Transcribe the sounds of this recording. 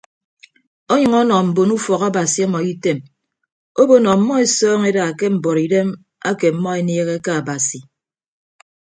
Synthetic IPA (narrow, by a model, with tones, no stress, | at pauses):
ɔ˦ɲʌ˨ŋɔ˦nɔ˨m̩˨bo˨nu˦fɔ˨ka˦ba˨si˨ɔ˦mɔ˨i˦te˦m | o˦bo˦nɔ˨mːɔ˦e˨sɔː˦ŋe˦da˨ke˦m̩˨bɔ˨ɾi˨de˦m | a˦ke˨m̩˨mːɔ˦e˨neː˦ɣe˦ka˦a˨ba˨si˨